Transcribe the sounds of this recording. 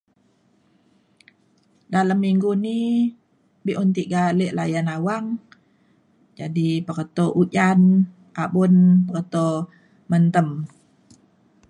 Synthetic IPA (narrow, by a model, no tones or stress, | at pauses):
dalamːiŋɡuni | biʔɔnt̪iʔɡaleʔlajanawaŋ | d͡ʒadipəɾət̪ɔʔut͡ʃan | abunpərət̪o | mənt̪əm